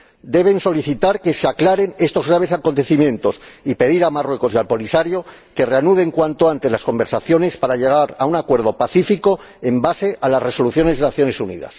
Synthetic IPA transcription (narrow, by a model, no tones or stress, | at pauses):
d̪e̞β̞e̞nso̞liθit̪aɾke̞seaklaɾe̞ne̞st̪o̞zɣɾaβ̞e̞sakont̪e̞θimjẽ̞nt̪o̞sipe̞ðiɾamarwe̞ko̞sialpo̞lisaɾjo̞ | ke̞re̞anuð̞e̞ŋkwant̪o̞ant̪e̞lasko̞mbe̞ɾsaθjo̞ne̞spaɾaʎe̞ɣaɾaunakwe̞ɾð̞o̞paθifiko̞ | e̞mbase̞ʔalasre̞so̞luθjone̞zðenaθjo̞ne̞sunḭða̰s